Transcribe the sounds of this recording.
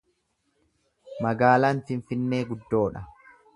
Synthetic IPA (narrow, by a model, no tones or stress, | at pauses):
mɐɡaːlaːnfɪɱfɪnːeːɡʊd̪ːo̞ːᶑɐ